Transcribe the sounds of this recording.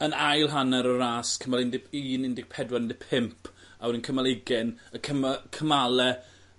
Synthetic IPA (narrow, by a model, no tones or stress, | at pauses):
ənajlˠɦanɛɾəraːskʰəmalˠɪndɪpʰiːnɪndɪɡ̥̚pʰɛdwanɪndɪpʰɪmpʰ | awɾinkʰəmalˠɪɡɛnəkʰəmakʰəmalɛ